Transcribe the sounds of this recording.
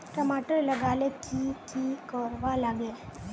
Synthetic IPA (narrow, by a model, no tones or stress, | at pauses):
ʈɐmaːʈəɾlɐɡaːlekʰikikɔɾʋalaɡe